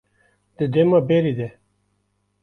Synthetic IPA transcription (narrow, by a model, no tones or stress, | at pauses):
d̪̥əd̪emabeɾid̪e